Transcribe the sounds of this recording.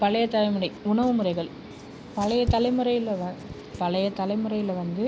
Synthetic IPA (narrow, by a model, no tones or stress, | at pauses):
pɐlɐjɐt̪ɐlɐɪmɯrɐɪʊɳɐʋɯmɯrɐɪɣɐɭ | pɐlɐjɐt̪ɐlɐɪmɯrɐjɪlʋɐ | pɐlɐjɐt̪ɐlɐɪmɯrɐɪjɪlʋɐnd̪ɯ